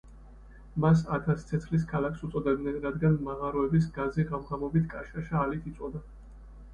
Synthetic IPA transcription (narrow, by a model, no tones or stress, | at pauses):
mas̬at̪ʰast̪sʰɛt̪sʰχlis̬kʰalaksut̪sʼɔd̪ɛbd̪nɛnɾad̪ɡanmaʁaɾɔɛbis̬ɡazɛɡamʁamɔbit̪ʰkʼaʃaʃaːlit̪ʰit̪sʼɔd̪a